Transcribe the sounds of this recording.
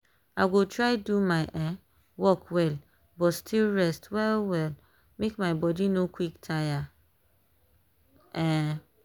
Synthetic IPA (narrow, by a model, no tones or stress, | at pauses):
aɪɡotɹajdumaɪʔɛ̃ | wɔkwɛl | bɔtstʰilɹɛstwɛlwɛl | mekmaɪbɔdinokwiktʰaja | ɛ̃